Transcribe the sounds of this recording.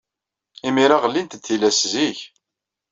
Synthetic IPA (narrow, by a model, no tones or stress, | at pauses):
imiɾaʁəlːint̪t̪θilæsziç